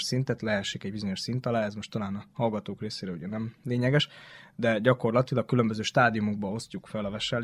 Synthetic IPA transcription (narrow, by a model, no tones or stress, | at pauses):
ʃsint̪ɛt̪lɛɛʃːikɛɟbizo̞ɲo̞ʃsint̪ɒlaːɛzmoʃt̪ːɒlaːnɒhɒlɡɒt̪oːkreːseːɾɛṵɟɛnɛmleːɲɛɡɛʃd̪ɛɟɒko̞rlɒt̪ilɒk̚kylømbøzøːʃt̪aːd̪ijumouɡ̚bɒo̞scukfɛlɒvɛʃɛl